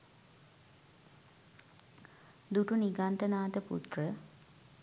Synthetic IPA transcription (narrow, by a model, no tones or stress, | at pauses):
d̪uʈuniɡant̪ənaːt̪əpṵt̪rə